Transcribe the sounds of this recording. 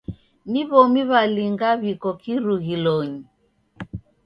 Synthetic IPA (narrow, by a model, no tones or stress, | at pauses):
niβɔmiβaliŋɡaβikɔkiɾuɣilɔɲi